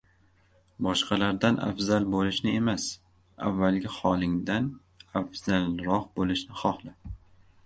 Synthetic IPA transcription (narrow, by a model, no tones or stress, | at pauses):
bɒʃqɑlaɾd̪anʔa̰fzalˠbolɪʃnɪe̞mas | a̰vːalɡʲɪχɒlˠɪŋd̪an | afz̥alˠɾɒhbolɪʃnɪχɒhlɪ